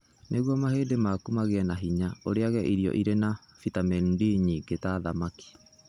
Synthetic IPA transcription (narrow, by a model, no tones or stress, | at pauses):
nʔeɣwɔmaɦeːdemaːkumaɣeɛnaɦiɲaoɾeaɣɛʔiɾiɔ̰ʔiɾena | fitamɛndiɲiɡetaðamaki̥